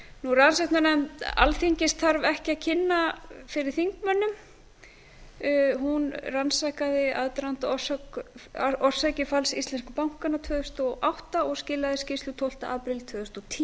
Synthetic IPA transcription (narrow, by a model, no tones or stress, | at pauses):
nuransaktnanɛma̰lθiɲcɪst̪θaɾvɛhcɪacʰɪnːafɪɾɪɾ̥θiŋkmœnːʏm | ɦunransakaðɪaðt̪ɾant̪ɔ̥sak | ɔr̥sacɪfalsist̪lɛnskapawŋ̥kanat̪ʰvœːðʏst̪ɔʔawht̪aɔɣscɪːlːaðɪscɪst̪ʏt̪ʰɔwl̥t̪a̰ʔaːpɾɪlt̪ʰvœːðʏst̪ɔt̪ʰi